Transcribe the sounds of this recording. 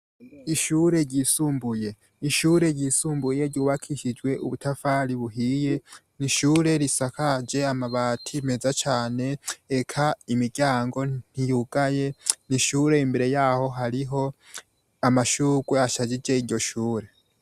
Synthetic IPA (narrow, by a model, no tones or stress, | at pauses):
iʃuɾe̞ɾɟiːsuːmbuje̞ | iʃuɾe̞ɾɟiːsuːmbuje̞ɾɟuːβakʰiʃid͡ʒwe̞ṵβutʰafaɾiβuɦije̞ | niʃuːɾe̞ɾisakʰad͡ʒe̞amaβaːtʰimezat͡ʃaːne̞ːkʰaimiɡjaːŋɡo̞n̥ijuɡaje̞niʃuːɾe̞imbe̞ɾe̞jaːho̞ɦaɾiɦo̞ | amaʃuːɡwe̞aʃad͡ʒid͡ʒe̞iɾɟo̞ʃuːɾe